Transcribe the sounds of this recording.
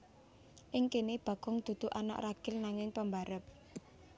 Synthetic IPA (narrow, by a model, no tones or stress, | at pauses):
ʔɪŋkinib̥ä̤ɡ̥ʊ̤ŋd̪̥ṳd̪̥ṳʔana̰ʔraɡ̥ɪlnaŋɪŋpəmbaɾəp̚